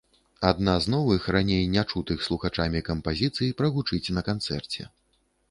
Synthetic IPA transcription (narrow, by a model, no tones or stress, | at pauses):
ad̪̚naznɔvɨxranʲejnʲat͡ʂut̪ɨxslˠuxat͡ʂamʲikɐmpazʲit̪sɨjipɾɐɣut͡ʂɨt͡sʲnɐkant̪sɛrt͡sʲɛ̰